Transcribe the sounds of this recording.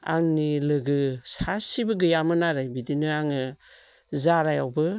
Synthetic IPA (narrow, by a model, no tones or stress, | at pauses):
a̰ŋnilɯɡɯsasibɯɡɯjamɯnaɾɯjbidinɯaŋɯ | zaɾajawbɯ